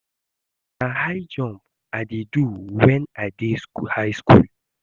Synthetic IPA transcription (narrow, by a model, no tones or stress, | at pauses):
nahajd͡ʒɔ̃mb | adeduwɛ̃nadeshajskṵl